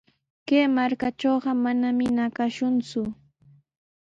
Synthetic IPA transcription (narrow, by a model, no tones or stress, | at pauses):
keːmaɾkat͡ʃoːɢɑmanamɪnakaʃʊnt͡sʊ